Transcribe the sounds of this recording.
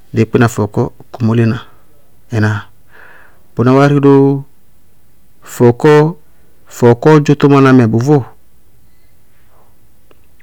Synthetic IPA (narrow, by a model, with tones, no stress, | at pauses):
de˨˦˨k͡pi˦na˨fɔ˨kɔ˦ | ku˨mo˦le˦na˨ | ɛ˨na˨ | b̥o˨na˨˦wa˦ɾi˦do˦ | fɔ˨kɔ˦ | fɔ˨kɔ˦d͡ʒo˦t̪o˦ma˧na˧mɛ˨bʊ˨vo˦